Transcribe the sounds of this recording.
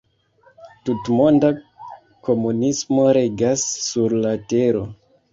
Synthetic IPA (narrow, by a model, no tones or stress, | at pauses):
tutmo̞nda | ko̞munismo̞ɾe̞ɡasːuɾlate̞ɾo̞